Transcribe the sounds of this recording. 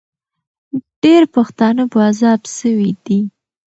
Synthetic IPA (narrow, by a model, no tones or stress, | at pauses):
ɖ̥eɾpaxt̪ɑnəpoazɑbsəwid̪i